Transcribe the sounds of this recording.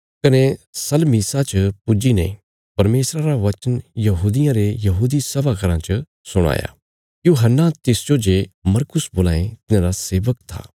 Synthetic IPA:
kɐnesɐlmiːsat͡ʃpʊd͡ʒinɛ̰̃ | pɐɾmeːsɾaɾaʋɐt͡ʃənjɐɦuːd̪ɪjãɾejɐɦuːd̪isɐbakɐɾãt͡ʃɐ | sʊɽ̃a̰ːja̰ | juːɦənːat̪ɪsd͡ʒod͡ʒemɐɾkʊsboːla̰ːẽt̪ɪnãɾaseːʋəkt̪ʰa̰ː

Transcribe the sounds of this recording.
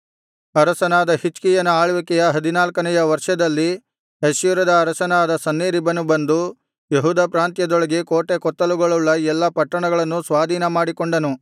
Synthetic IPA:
ɐɾɐsɐnaːd̪ɐhit͡ʃkijɐnɐaːɭʋikɛjɐɦɐd̪inaːlkɐnɛjɐʋɐɾʂɐd̪ɐlːi | esjuɾɐd̪ɐːɾɐsɐnaːd̪ɐsɐnːeːɾibɐnubɐnd̪u | jeɦuːd̪ɐpɾaːnt̪jɐd̪ɔɭɐɡekoːʈekɔt̪ːɐluɡɐɭuɭːɐɛlːɐpɐʈːɐɳɐɡɐɭɐnːusʋaːd̪ʱiːnɐmaːɽikoɳɖɐnu

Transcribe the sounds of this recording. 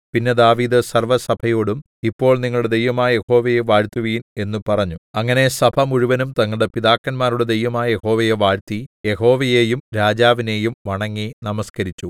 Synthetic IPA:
pinːed̪aːʋiːd̪ɨsɐrʋɐsɐbʱɐjo̞ːɽum | ipːo̞ːɭniŋːɐɭɽed̪e̞jʋɐmaːje̞ho̞ːʋɐjeʋaːɻt̪ːuʋiːne̞nːupɐrɐɲːuɐŋːɐne̞sɐbʱɐmuɻuʋɐnumt̪ɐŋːɐɭɽepiðaːkːɐnmaːruɽe̞d̪e̞jʋɐmaːje̞ho̞ːʋɐjeʋaːɻt̪ije̞ho̞ːʋɐjeːjumɾaːd͡ʑaːʋine̞ːjumʋɐɳɐŋːinɐmɐskɐɾit͡ɕːu

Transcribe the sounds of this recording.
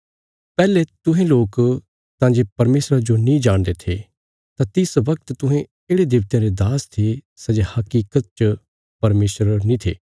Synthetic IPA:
pɛːlet̪ʊ̃ɦẽloːk | sãːd͡ʒepɐɾmeːsɾad͡ʒonĩd͡ʒaːɽ̃d̪et̪ʰe | t̪ãt̪ɪsʋɐkt̪t̪ʊ̃ɦɛ̃ | eːɽed̪ɪbt̪jãɾed̪aːst̪ʰe | sɐd͡ʒehɐkiːkət̪̚t͡ʃə | pɐɾmeːsɾənĩt̪ʰḛː

